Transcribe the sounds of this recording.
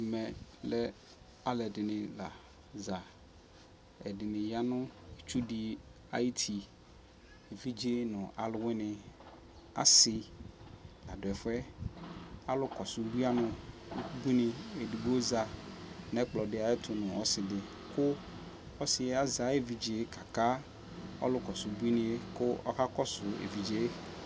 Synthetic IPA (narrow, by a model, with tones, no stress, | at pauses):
mɛ̃˨lɛ˦ | a˨lɛ˨dɪ˨nɪ̃˨la̰˨ | za˨ | ɛ˨dɪ˨nɪ̃˨ja˦nʊ̃˦e˨t͡ʃu˦di˨ | a̰˨ji˦t̪ʰi˨ | e˨vi˦d͡ʒɪ˦nʊ̃˨ʔa̰˨lʊ˨wɪ˦nɪ̃˨ | a̰˨sɪ˦ | a˨dʊ˨ɛ˨fɛ˦ | a˨lʊ˦kɔ˨sʊ˨bu˦a˦nʊ̃˨u˦ku˦bu˦nɪ̃˨e˨di˨bo˦za˨nɛ̃˦k͡plɔ˨dɪ˨˦a˨jɪ˦t̪ʰʊ˨nʊ̃˨ɔ˦sɪ˨dɪ˨ | kʊ˦ | ɔ˦sɪ˨ɛ˦a˦za˨˦e˦vi˨d͡ʒe˨˦kʰa˨ka˦ | ɔ̰˦lʊ˦kɔ˨sʊ˨bu˦i˦nɪ̃˦e˦kʊ˦ɔ̰˦ha˦kɔ˦sʊ˨ḛ˨vi˨d͡ʒe˦